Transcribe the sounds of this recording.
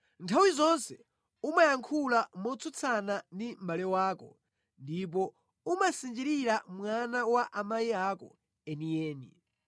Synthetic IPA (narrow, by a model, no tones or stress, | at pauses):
ntʰawizɔnsɛ | umajaŋkʰulamɔt͡sʰut͡sʰanandimbalɛwaːkɔ̰ | ndip̬ɔ | umasind͡ʒiɾiɾamwanawaʔamaiaːkɔ̰ | ɛnijɛːnḭ